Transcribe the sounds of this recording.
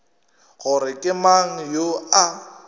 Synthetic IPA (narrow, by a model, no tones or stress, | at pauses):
ɣʊɾɪkʼɪmaŋ̩joa